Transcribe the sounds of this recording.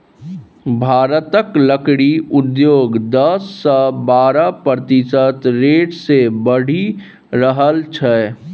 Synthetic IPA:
bʱaːɾət̪əkləkɽiʊd̪joːɡd̪əsːɔbaːɾapət̪ɪsət̪ɾeːʈsebəɽ̤i | ɾəɦəlt͡ʃʰɛ

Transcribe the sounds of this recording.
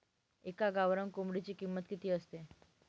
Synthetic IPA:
ekaɡaʋɾəŋkomɽet͡ɕiːkimːət̪kit̪iːəst̪e

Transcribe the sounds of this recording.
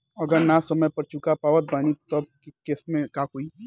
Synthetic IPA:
ɐɡəɾnasɐməjpɐɾt͡ʃukapaːʋət̪̚baːnit̪ɔb̚ | kɪsmẽkakoːi

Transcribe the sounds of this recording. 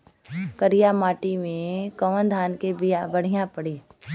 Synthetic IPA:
kəɾijamaːʈimẽkɐʋənd̪ʱaːnkebɪjabɐɽ̤ijãpəɽiː

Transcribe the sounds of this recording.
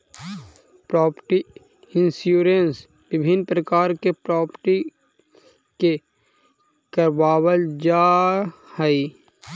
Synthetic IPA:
pɾɔːpəʈi | ɪ̃nsjuːɾens | bɪbʱɪnpɾəkaːɾkepɾɔːpəʈi | ke | kəɾʋaːwəld͡ʒaːhɛi

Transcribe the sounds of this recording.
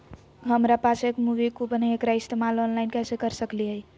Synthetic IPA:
ɦəmɾapat͡ʃʰekmuʋikupəneekɾaist̪emalɔnlajnkɛsekəɾsəkliɦəj

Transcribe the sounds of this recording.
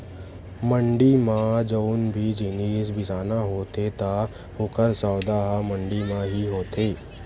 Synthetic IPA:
mə̃ɳɖimãd͡ʒoːnbʱid͡ʒɪneːsbɪsaːnaɦoːt̪et̪a | hʊkʰəɾsɔːd̪aːɦamə̃ɳɖimãɦiɦoːt̪eː

